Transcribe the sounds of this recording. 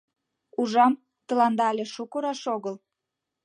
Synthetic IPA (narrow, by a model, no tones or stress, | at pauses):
uʒɑm | t̪ə̆lɑnd̪ɑlʲeʃukoɾɑʃoɣəl